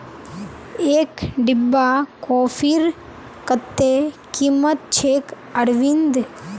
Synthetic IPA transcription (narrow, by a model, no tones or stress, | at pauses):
eːkɖɪbːakoːfiɾ | kət̪ːe | kimət̪̚t͡ʃʰeːk | əɾʋind̪